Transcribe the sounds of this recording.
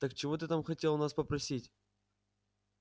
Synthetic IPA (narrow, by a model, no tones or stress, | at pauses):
t̪akt͡ɕɪvo̞t̪̬ɨt̪amxɐtʲelˠnaspəpɾɐsʲitʲ